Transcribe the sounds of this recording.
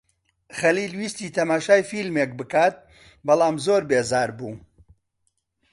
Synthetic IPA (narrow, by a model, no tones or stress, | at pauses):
χɐliːlwiːst̪iːt̪ʰɐmaːʃaːjfilmek̚bɨkaːt̪̚ | bɐlˠaːmzoːɾbeːzaːɾbuː